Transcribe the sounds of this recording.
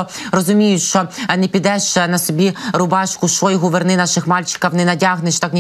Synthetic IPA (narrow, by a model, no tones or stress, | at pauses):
ɔrɔzʊmʲijʊʃt͡ʃɔnɛpʲid̪ɛʃt͡ʃnɐsɔbʲiɾʊbɑʃkʊʃɔjɦʊʋernɪnɑʃɪxmɑlʲt͡ʃɪ̥kɐwnɛnɐdʲaɦnɪʃt̪ɑknʲi